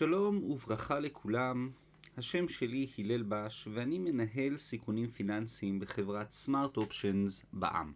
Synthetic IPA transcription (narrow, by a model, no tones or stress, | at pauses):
ʃalo̞muvʁaχale̞kʰulam | haʃe̞mʃe̞lihile̞lbaʃveanime̞naɦe̞lsikunimfinansiːmbeχe̞vʁat̪smaʁt̪opʃonzba̰ʔa̰m